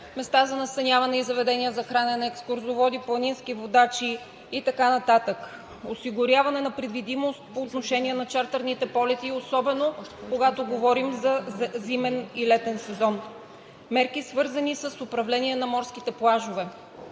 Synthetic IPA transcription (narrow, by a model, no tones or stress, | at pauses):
mɛst̪azɐnɐst̪ɐnʲavɐnɛizɐvɛd̪ɛniəzɐxɾanɛnɐɛkskʊɾzovɔd̪iplˠɐninskivod̪at͡ʃiː | t̪ɐkanɐt̪at̪ək | osiɡʊɾʲjavɐnɛnɐpɾɛd̪vid̪imost̪̚poːt̪noʃɛniɛnɐt͡ʃaɾt̪ɐɾnit̪ɛpɔlɛt̪iosɔbɛnokoɡat̪oɡovɔɾimzɐzimɛnilɛt̪ɛnsɛzɔn | mɛɾkisvɤɾzɐnisəsopɾɐvlɛniɛnɐmɔɾsk̟it̪ɛplˠaʒovɛ